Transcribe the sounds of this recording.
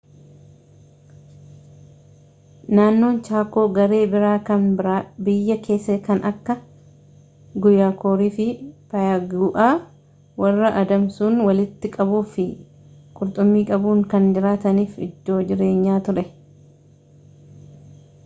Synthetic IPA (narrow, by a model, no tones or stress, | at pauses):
naːnːo̞ːnt͡ʃaːko̞ːɡɐɾe̞ːbɪɾaːkɐnbɪɾabɪjːɐke̞ːsːɐkɐnɐkːɐ | ɡʊjaːkoːɾiːfɪpɐjɐɡuːʔaː | wɐrːɐʔɐd̪ɐmsuːnwɐlɪt̪ːɪkʼɐbuːfɪ | kʼʊɾt̪ʼʊmːiːkʼɐbuːŋkɐnd͡ʒɪɾaːt̪ɐniːfɪ̰d̪ːo̞ːd͡ʒɪɾe̞ːɲːaːt̪ʊɾɛ